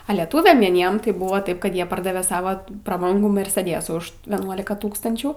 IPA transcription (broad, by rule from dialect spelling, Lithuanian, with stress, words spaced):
ɐ lʲɛˈtuːʋʲɛm ʋʲiɛˈnʲiɛm tɐɪ ˈbuːʋɐ ˈtɐɪp ˈkɐt ˈjiɛ ˈpɐrdɐʋʲɛ ˈsɑːʋɐ prɐˈbɐŋɡuː mʲɛrʲsʲɛˈdʲeːsuː ʊʃ ˈʋʲiɛnuɔlʲɪkɐ ˈtuːkstɐnʲt͡ʃʲuː